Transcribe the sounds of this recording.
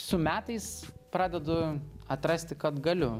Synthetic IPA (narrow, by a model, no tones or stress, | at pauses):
sʊmʲæːt̪ɐɪspɾɑːd̪ʲɛd̪ʊɐt̪ɾɐsʲt̪ʲɪkɐt̪ɡɐlʲʊ